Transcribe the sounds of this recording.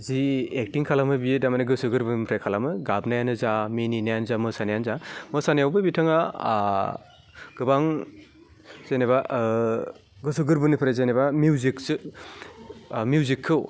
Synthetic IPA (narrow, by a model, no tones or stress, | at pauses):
ziek̚tiŋkʰalamɯbijedamaneɡɯsuɡɯɾbɯpʰɾekʰalamɯɡabnajanɯzamininajanzamɯsanajanzamɯsanijawbɯbitʰɯŋa | ɡ̥ɯbaŋ | z̥ejneba | ɡɯsuɡɯɾbɯnipʰɾezenebamiziksɯ | mijuzikʰːɯw